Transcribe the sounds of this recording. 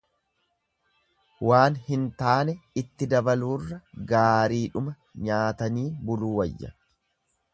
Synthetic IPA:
waːnhɪnt̪aːnɛɪt̪ːɪd̪ɐbɐluːrːɐɡaːɾiːᶑʊmɐ | ɲaːt̪ɐniːbʊluːwɐjːɐ̰

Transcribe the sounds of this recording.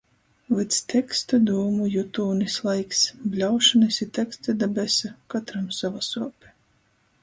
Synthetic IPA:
vɨt̪st̪ʰɛkst̪ad̪uːmujut̪uːnislˠajksblʲawʃanɨsʲit̪ʲɛkst̪ʲad̪abʲɛsakat̪ɾamsavasuɔpʲɛ̥

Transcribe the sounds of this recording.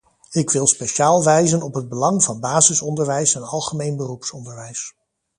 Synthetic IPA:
ɪkʋɪlˠspeʃaːlˠʋɛjzənɔpɦəd̚bəlɑŋvɑnbaːzɪsɔndəɹʋɛjsɛnɑlˠχəmejnbərupsɔndəɹʋɛjs

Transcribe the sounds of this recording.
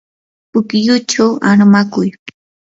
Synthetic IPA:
pʊkjʊt͡ʃawaɾmakʊj

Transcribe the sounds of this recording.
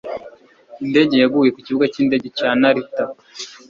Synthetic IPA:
inde̞ɟe̞jaɡuːje̞kuciβuɡaciːnde̞ɟecaːnaɾita

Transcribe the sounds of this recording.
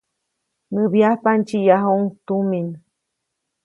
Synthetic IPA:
nɨβjahpant͡ʃijaɦuŋt̪umin

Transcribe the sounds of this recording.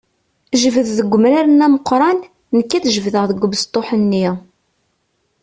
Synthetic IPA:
ʒəvəððəɡʷːəmɾaɾənæməqːɾˤɑnː | əkːæθʒəvðəʁðəɡʷːəbəst̪ˤːoħənːi

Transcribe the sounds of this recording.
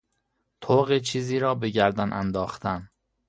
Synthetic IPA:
t̪ʰoːɣet͡ʃʰiːziːɾɒːbe̞ɟæɾd̪ænʔæ̰nd̪ɒːxt̪ʰæn

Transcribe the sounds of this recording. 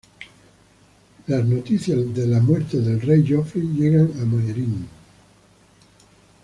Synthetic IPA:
laznot̪iθjaðelamweɾt̪eðelrejʒofɾiʎeɣaŋamajeɾin

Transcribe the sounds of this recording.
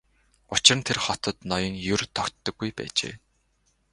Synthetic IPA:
ʊt͡ɕɪ̆rə̆nt̪ʰerχɔt̪ɞ̆t̪nɔjɞ̆ŋjɵrt̪ʰɔkt̪ːə̆ɡːujpæ̰ːt͡ɕḛː

